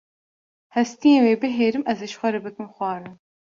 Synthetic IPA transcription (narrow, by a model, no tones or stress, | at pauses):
hɛst̪ijẽːweːbɨɦeːɾɨmʔɛzɨʃxʷɛɾɨbɨkɨmxʷɑːɾɨ